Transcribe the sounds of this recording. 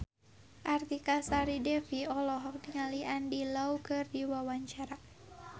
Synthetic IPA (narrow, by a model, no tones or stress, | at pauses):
ʔart̪ikasaɾidɛfiɔlɔɦɔk̚diŋaliandilaukɨrdiwawaɲt͡ʃaɾa